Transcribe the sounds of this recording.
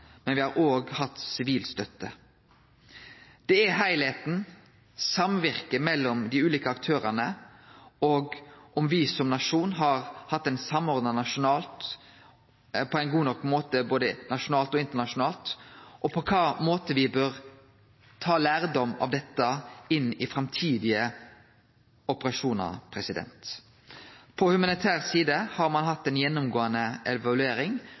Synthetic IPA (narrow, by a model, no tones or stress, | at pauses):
mɛnʋɪhɑɾoːɡhɑt̪ːsɪʋiːlst̪œt̪ːə | d̪̥ɛæɦæɪlheːt̪n̩ | sɑmʋɪʁkəmɛlːɔmd̪ɪʉːliːkəɑkt̪ʰøːɾənə | ɔɡʔɔmʋɪsɔmnɑʂuːnɦɑɾhɑt̪ːæɪnsɑmːɔɾd̪nɑnɑʂʊnɑːlt̪ | pʰɔæɪnɡuːnɔkːmoːt̪əboːd̪ənɑʂʊnɑːlt̪ɔɪnt̪ənɑʂʊnɑːlt̪ʔɔpʰɔkʰɑːmoːt̪əʋɪbøːʁ | t̪ʰɑːlæːɾd̪ɔmɑ̰ʋd̪ɛt̪ːɑɪnːɪfɾɑmt̪ʰiːd̪ɪə | ɔpəʁɑʂuːnɑ̰pʰɾɛsɪd̪ɛ̰nt̪ | pʰɔhʉmɑnɪt̪ʰæːʁsiːd̪əhɑɾmɑnɦɑt̪ːɛɪnjɛnːʊmɡoːənəʔɛʋɑlʉeːɾɪŋ